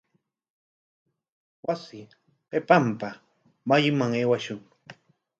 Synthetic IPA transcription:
wasɪ | pepampa | majmaŋeːwaʃʊŋ

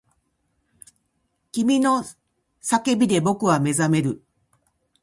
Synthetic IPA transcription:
kʲimʲino̞ | sake̞bʲid̪e̞bo̞kɯ̟βame̞zame̞ɾɯ̟

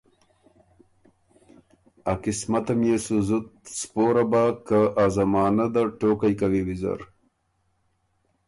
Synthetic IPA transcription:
akɪsmɐt̪ɐmjesuzut̪̚spoɾabakaʔazɐmɑːnad̪aʈoːkajkawiwizɐ̰ɾ

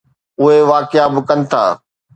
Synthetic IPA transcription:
ʊɦeʋaːkɪabɪkɐnɪ̆t̪ʰa̰ː

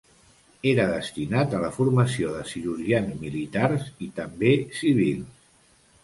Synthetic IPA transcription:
eɾəðəst̪inat̪ələfuɾməsioðəsiɾuʒianzmilit̪aɾzit̪əmbesiβ̞ilˠs

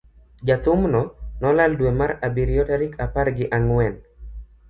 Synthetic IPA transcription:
d͡ʒat̪ʊmnɔnɔlaldwemaɾabiɾiɔtaɾikʰaparɡɪʔaŋwɛn

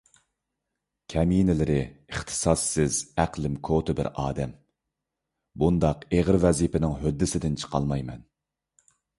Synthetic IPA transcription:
kʲʰɛminɪlɪɾɪəχt̪ʰɨ̥sɑsːɪz̥æqlˠɪmkʰot̪ʰɨbɪ̰ɾɑ̰ːd̪ɛm | bund̪ɑqeʁɨɾvɛzipɪnɪŋɦød̪ːɪsɪd̪ɪnt͡ʃʰə̥qʰɑ̰lˠmɑjmɛn

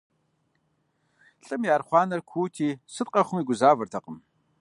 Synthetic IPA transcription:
ɬʼɨmjaːrχʷɑːnɐrkʷʰuːtʰiːsɨt̪̚ʼqʼɐχʷʊmiːɡʷʊzaːvɐrtʰɐqʼəm

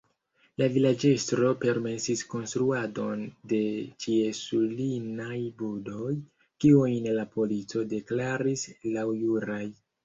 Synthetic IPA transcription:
lavilad͡ʒe̞stɾo̞pe̞ɾme̞sisko̞nst̪ɾuado̞nde̞t͡ʃie̞sulinajbudo̞j | kiujnlapo̞lit͡so̞de̞klaɾislawjuɾaj

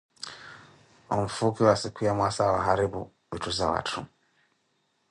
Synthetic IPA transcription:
wam̩fukiwasikujamwasawaɦaɾibu | vituzawa̰tʰu

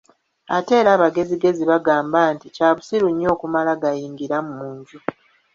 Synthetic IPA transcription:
ate̞ːɾaːβaɡe̞ziɡe̞ziβaɡaːmbaːnticaːβusiɾuɲːo̞ːkumalaɡajiːŋɡiɾamumuːɲɟu

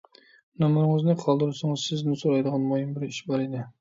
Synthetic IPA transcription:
nɑmʊɾɪŋɪznɪqʰɒlˠd̪ɪɾɪsɪŋɨzsɪznɪsoɾajd̪ɨʁɑnmojɪmbɪɾɪʃbɒɾed̪ɪ

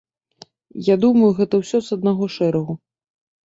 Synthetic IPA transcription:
jad̪umɐjuɣɛt̪ɐwsʲɔzɐd̪̚naɣɔʂɛɾɐɣu

